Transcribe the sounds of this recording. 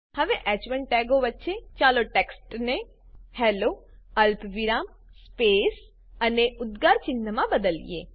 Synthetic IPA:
hɐʋeʔɛːt͡ʃʋə̃ɳʈɛːɡoʋətːʃʰet͡ʃaːloʈeksʈne | hɛːloɐlpʰʋɪɾaːm | sspeːs | ɐneʔʊd̪ɡaːɾt͡ʃɪnːəmãbəd̪əlḭjḛː

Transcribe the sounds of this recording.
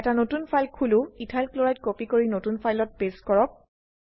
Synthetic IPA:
ɛtanotunpʰajlkʰulʊitʰajlkloɹajt̚kopikoɹinotunpʰajlɔt̚peskɔɹɔk̚

